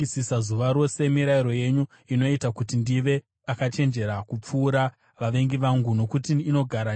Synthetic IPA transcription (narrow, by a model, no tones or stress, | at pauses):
isisazuʋaɾo̞se̞miɾaiɾo̞je̞ɲu | ino̞itakutindiʋe̞ | akat͡ʃe̞nd͡ʒe̞ɾakup͡fuːɾa | ʋaʋe̞ŋɡiʋaŋɡuno̞kutiːno̞ɡʱaɾa